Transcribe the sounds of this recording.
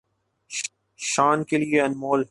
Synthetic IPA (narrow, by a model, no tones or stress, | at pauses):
ʃaːnkelieɐnmoːl